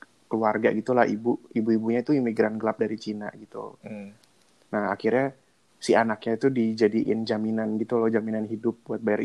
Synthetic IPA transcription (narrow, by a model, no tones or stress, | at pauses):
kluarɡa̰ɡit̪ulahḭbuibuibuɲait̪uimiɡɾanɡəlap̚daɾit͡ʃina̰ɡit̪ṵ | naha̰kirɲa | sianakɲait̪udid͡ʒadiʔɪnd͡ʒaminanɡit̪ulɔd͡ʒaminanɦidʊp̚buat̪̚bajaɾ